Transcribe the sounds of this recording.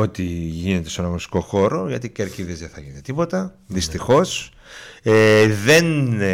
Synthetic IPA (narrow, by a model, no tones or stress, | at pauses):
o̞t̪iʝine̞t̪eseenɐɣosi̥ko̞xo̞ɾo̞ʝɐt̪iceɾciðezðeθɐʝinet̪et̪ipo̞t̪ɐ | ðist̪ixo̞s | eðe̞n